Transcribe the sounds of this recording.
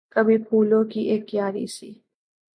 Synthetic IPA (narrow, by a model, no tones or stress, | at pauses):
kɐbʱipʰuːlõkiʔeːkːjaːɾḭsḭː